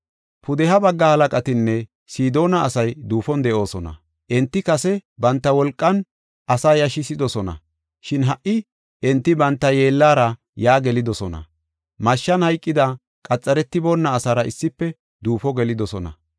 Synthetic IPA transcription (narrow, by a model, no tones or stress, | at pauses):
pʊd̪ɛhɐbɐɡːɐhɐlɐkʼɐt̪ɪnːɛ | siːd̪o̞ːnɐːsɐjd̪uːfɔnd̪ɛʔo̞ːsɔnɐ̰ | ʔɛnt̪ːɪkɐsɛbɐnt̪ːɐwɔlkʼːɐn | ʔɐsaːjɐʃɪsɪd̪ɔsɔnɐ̰ | ʃɪnɦɐʔːɪ | ʔɛnt̪ːɪbɐnt̪ːɐje̞ːlːaːɾɐ | jaːɡɛlɪd̪ɔsɔnɐ̰ | mɐʃːɐnhɐjkʼːɪd̪ɐ | kʼɐt͡sʼːɐɾɛt̪ːɪbonːɐːsaːɾɐɪsːɪpːɛ | d̪uːfɔɡɛlɪd̪ɔsɔnɐ̰